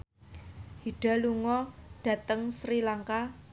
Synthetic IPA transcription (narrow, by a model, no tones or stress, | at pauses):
hiɖ̥a̤luŋɔɖ̥ä̤t̪əŋsɾilaŋka